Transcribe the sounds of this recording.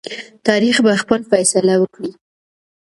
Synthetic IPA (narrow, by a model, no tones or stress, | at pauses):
t̪ɑɾixbaxpəlfajsalawəkɽi